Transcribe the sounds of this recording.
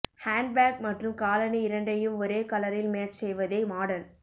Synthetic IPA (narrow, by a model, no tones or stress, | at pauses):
haːɳɖ̚baːk̚mɐʈrɯmkaːlɐniɪɾɐɳɖɐjɯmɔɾeːkɐlɐɾɪlmeːɾsɛjʋɐðɐɪmaːɽɐn